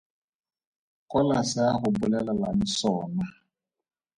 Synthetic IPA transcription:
kʼɔlasɪaχʊbʊlɛlalanɪsɔːna

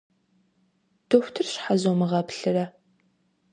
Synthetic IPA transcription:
d̥ʰoxʷtʰɨrɕħazomɨʁɐpɬɨrɐ

